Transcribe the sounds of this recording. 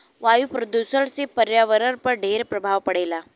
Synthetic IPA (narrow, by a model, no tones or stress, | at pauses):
ʋajupɾəd̪usəɭsipəɾjaʋəɾəɾpəɳɖʱeɾpɾəbʱaʋpəɽajla